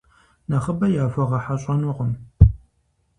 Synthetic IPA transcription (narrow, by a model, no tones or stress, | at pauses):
nɐχəbɐjaːfɐʁɐħaɕʼɐnʊʁəm